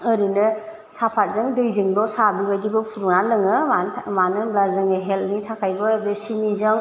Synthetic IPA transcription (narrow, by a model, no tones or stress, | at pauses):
ɯɾinɯ | sapʰat̚zɯŋdɯjzɯŋdɔsabiwajdibɯpʰuɾuŋnalɯŋɯamanɯblazɯŋɦel̚nitʰakʰajbɯbesinizɯŋ